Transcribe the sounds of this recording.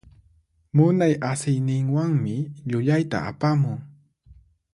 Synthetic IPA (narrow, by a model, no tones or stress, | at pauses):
mʊnajasɪjnɪŋwaŋmɪʎʊʎajt̪a̰a̰pamʊŋ